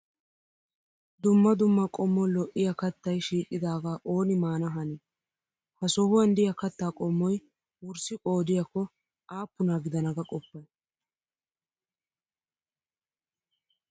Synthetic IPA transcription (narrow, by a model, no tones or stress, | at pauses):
d̪ʊmːɐd̪ʊmːɐkʼɔmːɔlɔʔɪjɐkɐt̪ːɐjʃiːkʼːɪd̪aːɡaːʔoːnɪmaːnɐɦɐnɪ | hɐsɔhʊwɐnd̪ɪjɐkɐt̪ːaːkʼɔmːɔj | wʊɾsɪkʼo̞ːd̪ɪjɐkːɔ | aːpːʊnaɡɪd̪ɐnɐɡɐkʼɔpːɐj